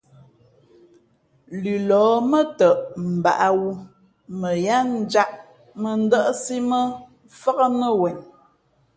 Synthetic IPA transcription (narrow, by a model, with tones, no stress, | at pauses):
lʉ˨lɔː˨˦mə˦tə˨ʔm̩˨ba̰˨ʔa˦wu˦ | mə˨ja˦n̩˦d͡ʒa˦ʔ | mə˨n̩˦də˦ʔsi˦mə˦ | fa˦ɣə˦mə˦wɛ˨n